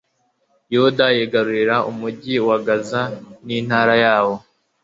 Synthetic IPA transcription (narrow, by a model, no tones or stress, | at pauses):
juudajeɡaɾuɾiɾaʔumuɟiwaɡazaniːn̥haːɾajaːwo̞